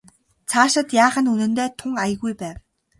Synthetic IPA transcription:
t͡sʰaːʃə̆t̪jaːχə̆nunɘ̆nt̪eːt̪ʰʊŋajə̆ɣujpæːw

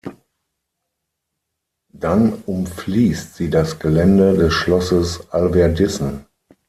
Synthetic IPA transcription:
d̥anʊmfliːstz̥iːdasɡ̥əlɛndədɛsʃlɔsəsʔalvɛɐdɪsn̩

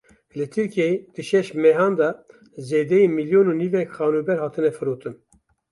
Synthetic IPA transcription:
lɨt̪ʰɨɾkijejed̪̥ɨʃɛʃmɛɦɑːnd̪ɑ | zeːd̪ɛjimiljoːnuːniːvɛkχɑːnubɛɾhɑːt̪ʰɨnɛfɨɾoːt̪ʰɨn

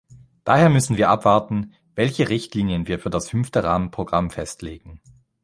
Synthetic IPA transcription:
d̥aːheːɐmʏsn̩viːɐʔapv̥aɐtn̩ | vɛlçəʁɪçtliːnjənviːɐfyːɐdashʏmftəʁaːmənpʁ̥oɡʁamfɛstleːɡŋ̩

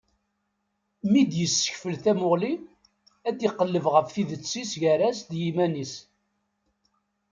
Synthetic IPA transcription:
mid̪jəsːə̥çfəlθæmʊʁli | æd̪iqːəlːəvʁəfθiðət͡sːisʝæɾæsd̪jimænis

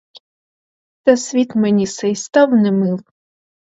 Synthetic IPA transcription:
t̪ɐsʲʋʲit̪menʲisɛjst̪ɑwnɛmɪw

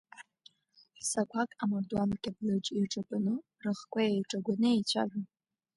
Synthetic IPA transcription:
ħsakʷʰakʼamardwanakʲʼablɨd͡ʒʼiʈ͡ʂʼaɡʷʼanɨ | rɨχkʷʰʼajejʈ͡ʂʼaɡʷanɨejt͡ɕʷʰa̰ʒʷᶣa

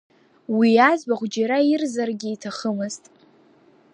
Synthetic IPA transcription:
wiazbaχʷd͡ʒaɾairzarɡʲiitʰaχəmɨztʼ

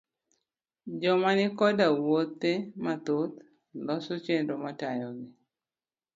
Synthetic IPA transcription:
d͡ʒɔmanɪkɔdawot̪ːemat̪ot̪ | lɔsot͡ʃendomatajɔɡɪ

